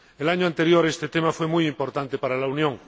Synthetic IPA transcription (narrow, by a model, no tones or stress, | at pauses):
elaɲoãnt̪e̞ɾjoɾest̪et̪emafwe̞mujimpo̞ɾt̪ant̪epaɾalaunjõŋ